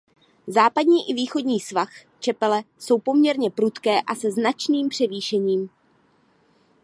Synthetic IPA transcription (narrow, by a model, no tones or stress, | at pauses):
zaːpadɲiːʔɪviːxo̞dɲiːsvax | t͡ʃɛpɛlɛso̞wpo̞mɲɛɾɲɛpɾut̪kɛːʔasɛznat͡ʃniːmpr̥ɛviːʃɛɲiːm